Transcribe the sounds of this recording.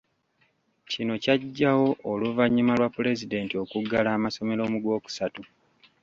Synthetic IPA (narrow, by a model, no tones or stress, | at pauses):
cino̞caɟːawo̞ʔːluvaɲːimalwapːule̞zide̞ːntio̞kuɡalaːmaso̞me̞lo̞muɡwo̞ːku̥satu